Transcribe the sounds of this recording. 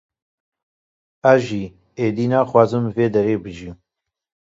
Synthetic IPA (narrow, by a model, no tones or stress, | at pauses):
æʒiː | eːd̪iːnaːxwaːzɨmveːd̪ɛɾeːbɨʒim